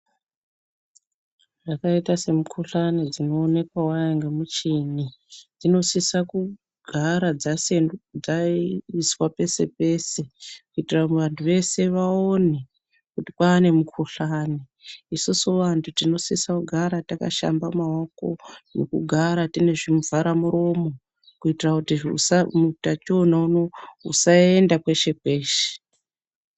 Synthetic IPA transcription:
ʐakaitase̞mukʰuɬanid͡zino̞ːne̞kwawajaŋɡemut͡ʃinid͡zino̞sisaku | ɡʱaɾad͡zasenud͡zaiswape̞se̞̰pe̞se̞kuitiraʋantʰuʋe̞se̞ʋaone | kutipaːne̞mukʰuɬaːni | isusuʋantʰutino̞sesakuɡʱaɾataka̰ʃa̰mbamao̞ko̞̰no̰kṵɡʱaɾatine̞ʐimuvaɾamuɾo̞mo̞ | kuitirakutiṵsamutat͡ʃonaunousaendakwe̞ʃe̞keːʃe̥

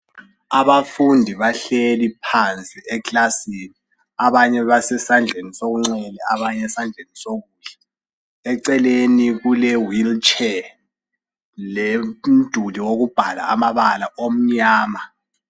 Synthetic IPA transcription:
aβafundʱiβaɬelipʰant͡sʼiɛklasiːni | aβaɲɛβasɛsand͡ɮʱenisoɣuŋ͡ǀɛlɛaβaɲɛsand͡ɮʱenisoɣuːɬɛ | ɛǀɛleniɣulɛwilt͡ʃʰʼɛ | lem̩d̥ʱuliwoɣub̥ʱala̰a̰maβalaʔom̩ɲaːma

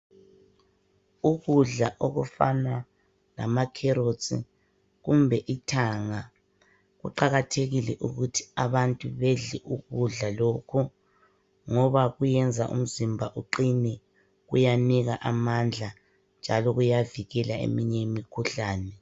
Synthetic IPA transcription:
uɣuɮaʔoɣufa̰na | la̰makʰɛɾot͡sʼḭ | ɣumbʱɛʔitʰaŋa | ɣuǃaɣatʰeɣilɛʔuɣutʰi̥aβantʼuβɛɮɛʔuɣuɮalokʰu | ŋɔβaɣujɛnd͡zʱa̰ʔṵm̩zimbʱaʔuǃinɛ | ɣujaniɣaʔamand͡ɮʱa | nd͡ʒʱalɔɣujaviɣɛlaḛmiɲɛmikʰuɬaːnɛ

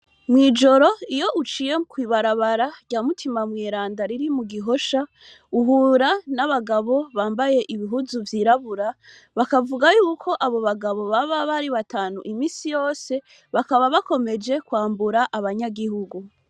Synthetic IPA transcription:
mwiːd͡ʒo̞ɾo̞ijo̞ʔut͡ʃijemkwiːβaɾaβaɾaɟɟaːmutʰimamŋeːɾaːndaɾiɾimuɡiɦo̞ʃa | uɦuːɾanaβaɡaβo̞βaːmbaje̞ʔiβiɦuzuvjiːɾaβuɾa | βakavuɡajuːkʰo̞ʔaβo̞βaɡaβo̞βaβaβaɾiβataːnuʔimiːsijo̞ːse̞ | βakaβaβako̞me̞d͡ʒe̞kwaːmbuɾaʔaβaɲaɡihuɡu

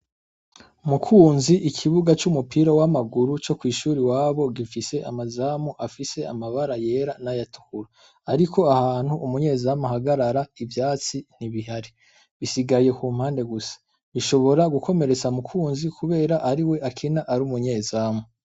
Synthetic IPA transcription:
mukʰuːnziʔikʰiβuɡat͡ʃumupiːɾowamaɡuɾut͡ʃo̞kwiːʃuːɾiwaːβo̞ɡifise̞ʔamazaːmoʔafise̞amaβaɾaje̞ːɾanajatu̥kuɾaː | ɾikʰo̞ahaːn̥huʔumuɲe̞ːzamahaɡaɾaɾaivjaːt͡sin̥iβiɦaɾi | βisiɡaje̞kuːm̥haːnde̞ɡusḁ | βiʃo̞βo̞ɾaɡukʰo̞me̞ɾe̞t͡samukʰuːnzikuβe̞ːɾaʔaɾiwe̞ʔakʰinaʔaɾumuɲe̞ːzaːmo

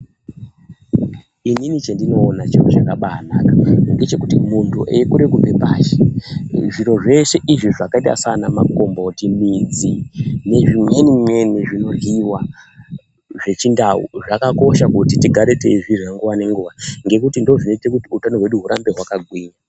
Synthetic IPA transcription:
ininit͡ʃendino̞ːnat͡ʃiro̰t͡ʃakaɓaːnakaŋɡe̞t͡ʃe̞kutimuntʰuʔekuɾekupepaːʃe̥ʐiɾo̞ʐe̞ʃe̞ʔiʐiʐakaita̰sanamako̞mbotimid͡zine̞ʐimwe̞nimwe̞niʐino̞riwa | ʐe̞t͡ʃindaṵʐakako̞ʃakutitiɡʱaɾe̞teiʐiʐaŋɡuʋane̞ŋɡuʋaŋɡe̞kutindoʐineitekutiutanoɦwe̞ɗuɦuɾambe̞ɦwakaɡʱwiːɲa

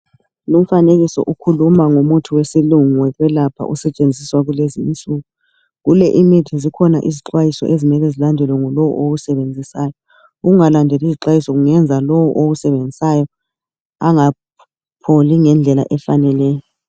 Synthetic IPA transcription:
lum̩faneɣisɔ̰ʔukʰulumaŋomutʰuwesiluŋwɛɣwɛlapʰa̰ʔusɛt͡ʃʼend͡zʱiswaɣulezint͡sʼuɣu | ɣulɛʔimitʰizikʰɔnaʔiziǁwajisɔ̰ʔezimɛlɛzilandʱɛlwɛŋɔlɔwṵʔoɣusɛβend͡zʱisaːjɔ | uɣuŋalandʱɛliziǁwajisɔɣuŋɛnd͡zʱalɔwɔʔoɣusɛβend͡zʱisajɔ | aŋa | pʰoliŋɛnd͡ɮʱɛla̰ʔɛfanɛlɛːjɔ

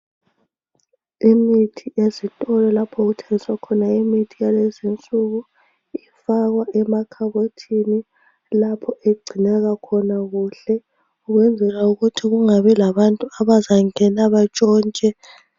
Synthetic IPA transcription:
imitʰiʔezitʼɔlɛlapʰɔɣutʰeŋiswakʰɔnaimitʰijalezint͡sʼuɣu | ifaɣwaʔɛmakʰaβotʰini | lapʰɔʔeɡ͡ǀʱinɛɣakʰɔnaɣuɬɛ | uɣwɛnd͡zʱɛɣauɣutʰiɣuŋaβɛlaβantʼuaβazaŋɛnaβat͡ʃʼɔːnt͡ʃʼɛ

